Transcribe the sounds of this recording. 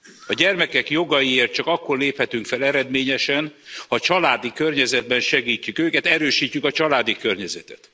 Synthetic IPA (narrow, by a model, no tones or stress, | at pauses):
ɒɟɛrmɛkɛkjo̞ɡɒjieːrt̪̚t͡ʃɒkɒkːo̞rleːphɛt̪yŋkfɛlɛɾɛd̪meːɲɛʃɛnhɒt͡ʃɒlaːd̪ikørɲɛzɛd̪̚bɛnʃɛɡiːcːykøːkɛt̪ɛɾøːʃiːcːykɒt͡ʃɒlaːd̪ikø̞rɲɛzɛt̪ɛ̰t̪